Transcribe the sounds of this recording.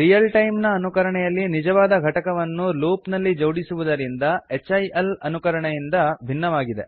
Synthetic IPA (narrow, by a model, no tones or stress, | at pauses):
ɾijɐlʈɐjmnɐːnukɐɾɐɳɛjɐlːinid͡ʒɐʋaːd̪ɐɡʱɐʈɐkɐʋɐnːuluːpnɐlːid͡ʒowɽisuʋud̪ɐɾind̪ɐet͡ʃːɐjɐlɐnukɐɾɐɳɐjind̪ɐbʱinːɐʋaːɡid̪e̞̰